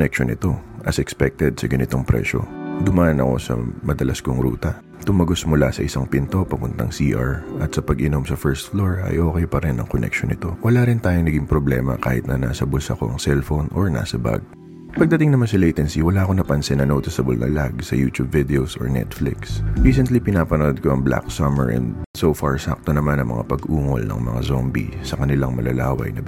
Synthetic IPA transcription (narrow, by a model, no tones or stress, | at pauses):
nɛkʃonɪt̪o̞ʔɐsɛkspɛk̚t̪ɛd̪̚sɐɡɐnɪt̪o̞ŋpɾɛ̰ːʃo̞̰d̪ʊmaːʔɐnɐ̰ko̞̰sɐ̰mɐd̪ɐlʔɐskoŋɾṵːt̪ɐ | t̪ʊmɐɡosmʊlasɐʔɪsaŋpɪnt̪o̞pɐmʊnt̪ɐŋsiːʔaɹʔɐt̪sɐpɐɡʔɪno̞msɐfɛɹst̪floɹɐ̰jʔo̞ːkɛjpɐɾɛnɐ̰ŋkonʔɛ̰k̚ʃonɪt̪o̞wɐlaɾɪnt̪aːjoŋnɐɡɪŋpɾoblɛ̰ːmɐ̰ka̰ːhɪ̰t̪̚nɐna̰ːsɐbʊsɐko̞̰ʔɐŋsɛlfonʔo̰ɹna̰ːsɐba̰ɡ̚ | pɐɡ̚d̪ɐt̪ɪŋnɐmansɐlejt̪ɛnsiwɐlaʔɐkonɐpɐnsɛnɐnot̪ɪsɐbo̰lnɐ̰laɡsɐjuːt̪ubvɪd̪ɛosʔo̰ɹnɛ̰t̪flɪksɹiːs̬ɛnt̪lipɪnaːpɐnod̪̚koɐŋbla̰ksɐmɛ̰ɹʔɛ̰nd̪sofaɹsak̚t̪onɐmanɐŋmɐ̰ŋa̰pɐɡʔuːŋo̰lnɐ̰ŋmɐ̰ŋa̰zombḭsɐkɐnɪlaŋmɐlɐlaːwɐ̰jnɐ